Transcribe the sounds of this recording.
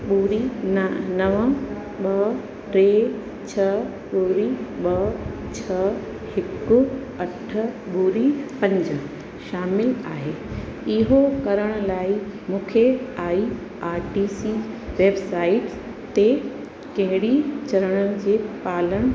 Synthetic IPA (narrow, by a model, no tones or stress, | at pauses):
ɓuːɾi | nɐʋə̃ | ɓɐ | ɾeː | t͡ɕʰɐ | ɓuːɾiɓɐt͡ɕʰɐ | hɪkʊ | ɐʈʰə̆ɓuːɾipɐ̃ɲd͡ʑə̆ | ʃaːmɪla̰ːɦeːɪɦokɐɾəɽ̃ʊlaːimũːkʰeaːi | aːɾʈiːsi | ʋeːbsaːɪʈ | t̪e | kɐɦɪɽit͡ɕɐɾəɽ̃ənɪ̆d͡ʑeːpaːləɽ̃